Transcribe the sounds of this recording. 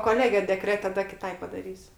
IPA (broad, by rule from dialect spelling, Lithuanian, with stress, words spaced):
koːˈlʲæːɡʲɛ dʲɛˈkrʲæːtʲɛ tɐˈdɐ kʲɪˈtɐɪ pɐdɐˈrʲiːsʲʊ